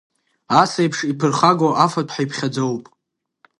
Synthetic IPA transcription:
asejpʰʂipʰɨrχaɡoʔafapʰħajpʰχʲad͡zowpʼ

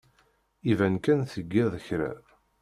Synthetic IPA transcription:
ivænkænθəɡːɪðˤəçɾæ̰

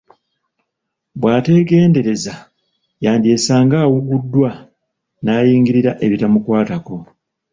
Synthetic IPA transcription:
bwaːte̞ɡe̞ːnde̞ɾe̞za | jaːndie̞saːŋɡaːwuɡudːwa | naːjiːŋɡiɾiɾaʔe̞βitamukwaːtako̞

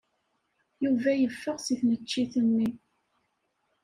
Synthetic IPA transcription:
juvæjəfːəʁsiθnət͡ʃːiθənːi

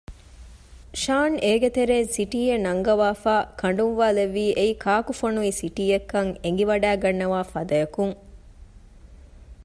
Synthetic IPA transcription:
ʃaːneːɡet̪eɾeːnsiʈiːjenɐŋɡɐʋaːfaːkʰɐɳ̆ɖunʋaːleʋːiːʔeikʰaːkufonuisiʈiːjekːɐŋeŋɡiʋɐɖæːɡɐnːɐʋaːfɐd̪ɐjɐkuŋ

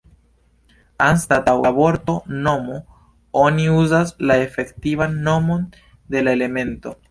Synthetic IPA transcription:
anstatawabo̞ɾto̞no̞mo | oniuzaslae̞fe̞ktivanːo̞mo̞n | de̞lae̞le̞me̞nto̞

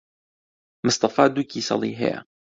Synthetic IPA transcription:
mɨst̪ɑfɑːd̪ukisɑ̰liɦḛja̰

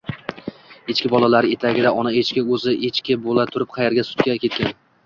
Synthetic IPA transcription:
et͡ʃkʲɪbɒlˠalaɾɪe̞t̪ʰaɡʲɪd̪aʔɒnaet͡ʃkʲɪɵzɪʔet͡ʃkʲɪbolat̪ʰʊɾɪp̚qʰɑjeɾɡʲasʊ̥t̪kʲakʲe̞t̪̚kʲan

